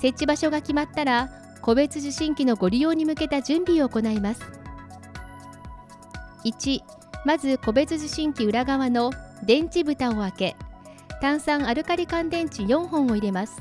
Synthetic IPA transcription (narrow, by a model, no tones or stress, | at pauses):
se̞tt͡ɕːibaɕo̞ɡakʲimat̪ːaɾa | ko̞be̞t͡sɨʑɨɕĩŋkʲino̞ɡo̞ɾʲio̞ːɲ̟imɯ̟ke̞t̪ad͡ʑɨ̃mbʲio̞ːko̞naimasɨ̥ | it͡ɕi | mazɨko̞be̞t͡sɨʑiɕĩŋkʲiɯ̟ɾaɡaβano̞d̪ẽ̞ɲ̟t͡ɕibɯ̟t̪ao̞ake̞ | t̪ãɰ̃sãɰ̃aɾɯ̟kaɾʲikãnd̪ẽ̞ɲ̟t͡ɕijõ̞ɰ̃ɦõ̞ɰ̃o̞iɾe̞masɨ̥